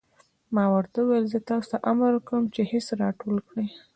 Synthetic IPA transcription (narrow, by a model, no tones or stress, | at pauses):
mɑwaɾt̪awajəlzət̪ɑsʊ̥t̪aʔamɾkəmt͡ʃehɪsɾɑʈolkɽi